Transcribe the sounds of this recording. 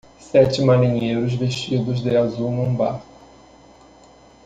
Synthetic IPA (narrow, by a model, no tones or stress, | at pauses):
sɛt͡ʃɪmaɾĩɲejɾʊzveʃt͡ʃid̪ʊzd̪ɪazuwnuũbaɾ